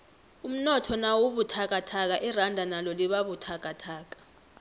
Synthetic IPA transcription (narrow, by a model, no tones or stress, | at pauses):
um̩nɔtʰɔnawoɓutʰak̬ʼatʰak̬aʔirandʱanalɔliɓaɓutʰak̬ʼatʰaːk̬ḁ